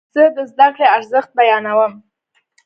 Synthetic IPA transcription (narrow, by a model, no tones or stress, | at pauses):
z̥əd̪əzd̪akɽeaɾzəxt̪̚bajɑnawəm